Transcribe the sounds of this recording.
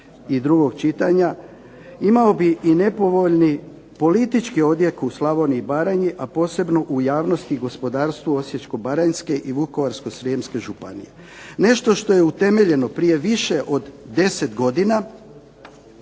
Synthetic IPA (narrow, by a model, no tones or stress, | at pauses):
id̪ɾuɡo̞ɡt͡ʃit̪aɲa | imao̞biʔine̞po̞ʋo̞ʎni | po̞lit̪it͡ʃkio̞d̪jekuuslˠaʋo̞niːbaɾaɲiʔapo̞ːse̞bno̞ʔujaːʋno̞st̪iɡo̞spo̞d̪aːɾst̪ʋuo̞sje̞t͡ʃko̞baɾanske̞ʔiʋuko̞ʋaɾsko̞sɾimske̞ʒupa̰nḭje̞ | ne̞ʃt̪o̞ʃt̪o̞je̞ut̪e̞me̞ʎe̞no̞pɾije̞ʋiʃe̞ʔo̞d̪ːe̞se̞t̪ɡo̞d̪ina